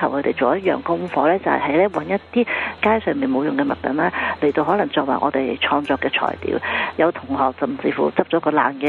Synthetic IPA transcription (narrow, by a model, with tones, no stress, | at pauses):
ɐ˨˩wkʰɵ˧t̪e˨jt͡so˨wjɐ˥t̚jœ̰ː˨ŋkʊ˥ŋfɔː˨˧lɛː˥t͡sɐ̰˨whɐ̰˨˩hɐ˨˥jlɛː˥wɐ̰˨˥njɐ˥t̪iː˥kaː˥jsœː˨ŋmiː˨nmo˨˧wjʊ˨ŋkɛː˧mɐ̰˨t̚kɐ̰˨˥nlaː˥le˨˩jt̪o˧wɦɔː˨˥lɐ˨˩ŋt͡sɔː˧k̚waː˨˩ʔɔ̰ː˨˧t̪e˨jt͡ʃʰɔː˧ŋt͡sɔː˧kːɛː˧t͡ʃʰɔ̰ː˨˩jt̪ḭː˨˧˥wjɐ˨˧wt̪ʰʊ˨˩ŋɦɔː˨k̚sɐ˨˩mt͡siː˧fṵː˨˩t͡sɐ˥p̚t͡ʃɔː˨˧˥kɔː˧la̰ː˨nkɛː˧